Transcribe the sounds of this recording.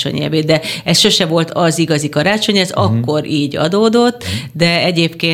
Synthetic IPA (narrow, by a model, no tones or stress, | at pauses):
o̰ɲɛ̰veːd̪ɛɛsʃo̞ʃɛvo̞lt̪ɒziɡɒzikɒɾaːt͡ʃo̞ɲɛzɒkːo̞ɾʔiːɟɒ̰d̪oːd̪o̞t̪ːd̪ɛɛɟeːpkeː